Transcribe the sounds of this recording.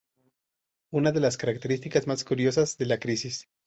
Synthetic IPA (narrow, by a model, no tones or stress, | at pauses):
unaðe̞laskaɾak̚t̪e̞ɾist̪ikazmaskuɾjo̞sazðe̞lakɾisis